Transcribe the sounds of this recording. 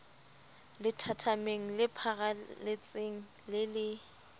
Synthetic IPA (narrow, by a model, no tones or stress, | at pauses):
lɪtʰatʰameŋ̩lɪpʰaɣalɪt͡sʼeŋ̩ | lɪlɪ